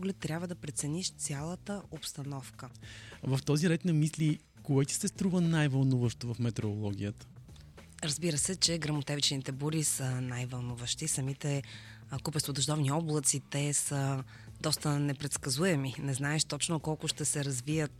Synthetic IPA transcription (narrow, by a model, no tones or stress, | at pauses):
ɡlɛt̪ːɾʲabvəd̪ɐpɾɛt̪sɛniʃt̪sʲjalˠət̪əopst̪ɐnɔfkəvɐft̪ɔziɾɛk̪nɐmisli | koɛt̪i̥sɛst̪ɾuvənajvɐlˠnuvəʃt̪ovɐfmɛt̪ɛɛolˠɔɡ̟ʲijət̪ə̥ | ɾɐzbiɾəsɛt͡ʃɛɡɾɐmot̪ɛvit͡ʃɛnit̪ɛbuɾisənajvɐlˠnuvəʃt̪isɐmit̪ɛ | kupɛst̪vod̪ɐʒd̪ɔvniɔblˠət̪sit̪ɛsə | d̪ɔst̪ənɛpɾɛt̪skɐzuɛminɛznaɛʃt̪ɔt͡ʃnokɔlˠkʊʃt̪ɛsɛɾɐzvijət̪̚